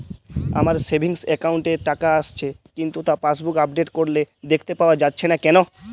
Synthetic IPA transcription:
a̰maɾsebʱiŋsɛkawɳʈeʈakaaʃt͡ɕʰekint̪ut̪apasbukab̚ɖeʈkoɾled̪ekʰt̪epaoad͡ʑatːɕʰenakɛno

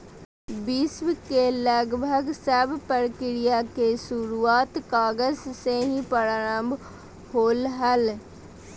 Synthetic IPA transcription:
bɪswkeləɡbʱəɡsəbpəɾkɪɾɪjakeʃʊɾuaːt̪kaːɡəzseɦĩpəɾaːɾə̃mbʱ | hoːlɦəl

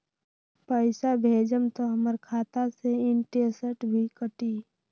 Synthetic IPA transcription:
pəɪsabʱeːd͡ʒəmt̪oɦəməɾkʰaːt̪aseɪɳʈesəʈbʱikəʈi

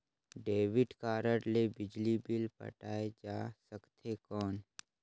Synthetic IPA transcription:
ɖeːʋɪʈkaːɾəʈlebɪd͡ʒlibɪlpə̰ʈaːed͡ʒaːsəkt̪ʰekɔːn

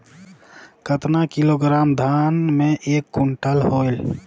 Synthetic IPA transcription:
kət̪nakiloːɡɾaːmd̪ʱaːnmẽʔeːkːuɳʈəlɦoːɪl

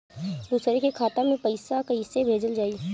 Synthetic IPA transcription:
d̪uːsɾekekʰaːt̪ãmẽpɐɪsakɐisebʱeːd͡ʒəld͡ʒaːi

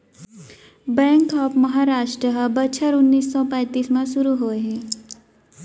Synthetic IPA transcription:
bɛ̃ːŋkɔːpmɐɦaːɾaːʃʈɾəɦbɐt͡ʃʰəɾʊnːiːsːɔpɛ̃ːt̪iːsmẽʃʊɾuɦoːeɦɛ̃ː

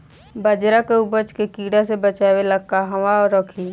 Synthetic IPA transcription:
bəd͡ʒɾakeubət͡ʃkekiːɽasebət͡ʃaːʋeləkːaɦəʋaɔɾɔːkʰiː

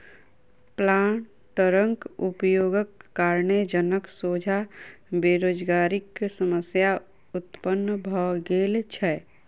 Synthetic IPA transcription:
plaːɳ | ʈəɾə̃ŋkupjoːɡəkːaːɾnəd͡ʒənəksoːd͡ʒʱa | beɾoːd͡ʒɡaːɾɪksəməsja | ʊt̪pənːbʱɔːɡeːlt͡ʃʰɛ

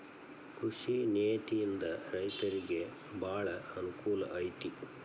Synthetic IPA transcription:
kɾuʂineːt̪ijind̪ɐɾɐjt̪ɐɾiɡe̞ | bʱaːɭɐɐnukuːlɐ̰ʔɐjt̪i

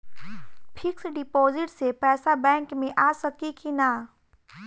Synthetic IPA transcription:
pʰɪksɖɪpoːzɪʈsepɛːsabɛ̃ːŋkmẽʔaːsɐkikinaː

